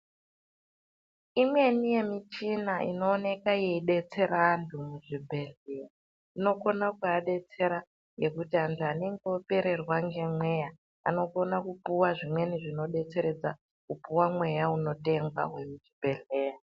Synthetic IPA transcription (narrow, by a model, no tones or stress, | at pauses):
imwe̞nije̞mit͡ʃinaḭno̞ːne̞kaje̞iɗe̞t͡se̞ɾaːndʰumuʐibʱe̞ɮeja | ino̞ko̞nakuaɗe̞t͡se̞ɾa | jɡe̞kutiantʰuane̞ŋɡeope̞ɾe̞rwaŋɡe̞mwe̞ja | a̰no̞ko̞nakupuwaʐimwe̞niʐino̞ɗe̞t͡se̞ɾe̞d͡za | kupuwamwe̞jauno̞te̞ŋɡwa̰we̞muʐibʱe̞ɮe̞ːja